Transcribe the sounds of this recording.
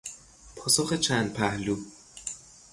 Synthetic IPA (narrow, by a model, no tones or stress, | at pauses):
pʰɒːsoxet͡ʃʰænd̪̥̚pʰæhluː